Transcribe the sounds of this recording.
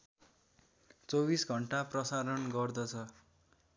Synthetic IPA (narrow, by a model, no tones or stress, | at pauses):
t͡sobisɡʱʌɳʈaprʌsaɾʌnɡʌrd̪ʌt͡sʰʌ